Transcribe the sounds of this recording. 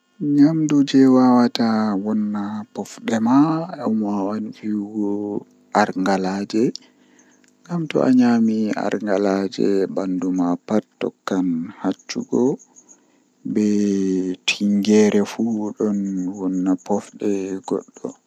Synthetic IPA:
ɲamdud͡ʒɛwawatawɔnːapɔfɗɛmaɔmawanfiɡɔ | ʔaɾŋɡalad͡ʒɛ | ŋɡamtɔ̰ʔa̰ɲamia̰ɾŋɡalad͡ʒɛ̰bandumapatːɔ̰kːanhat͡ʃːṵɡɔ | bɛ | tʰiŋɡɛɾɛfuɗɔnwɔnːapɔfɗɛɡɔ̰ɗːɔ̰

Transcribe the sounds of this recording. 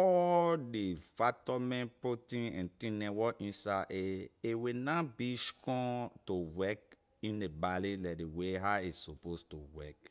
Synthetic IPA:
ɔdefatɔmɛ̃npɹotĩɛ̰̃ntĩnɛ̃wɔʔĩnsaʔeewenãbiʃu̥kɔ̃towɛk | ĩndebalilɛdeweɦaisopostowɛk

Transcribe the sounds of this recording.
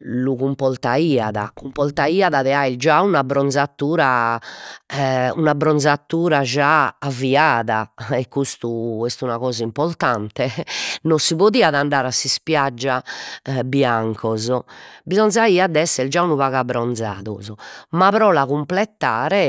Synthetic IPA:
luɣumpɔlt̪aiːaða̰kumpɔlt̪aiːaðaðɛaild͡ʒaunabɾɔnd̪zat̪ːuːɾa | unabɾɔnzat̪ːuːɾad͡ʒaːvːiaːðaɛkːust̪uɛst̪unaɣɔːzaimpɔɾt̪ant̪ɛnosiβoðiːaðaɳɖaːɾasːispjad͡ʒːabjaŋkʰɔzɔbizɔnzaiad̪ɛsːɛld͡ʒaunuβaɣabɾɔnd̪za̰ːðṵzɔmapɾɔlaɣumplɛt̪ːaːɾɛ

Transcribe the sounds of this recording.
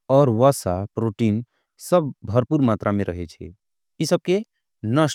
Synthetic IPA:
ɔːɾʋasapɾoʈin | səb̚bʱəɾpuɾmat̪ɾʔameɾʔə̰ɦɛt͡ʃʰɛ̰ | isəb̚ke | nə

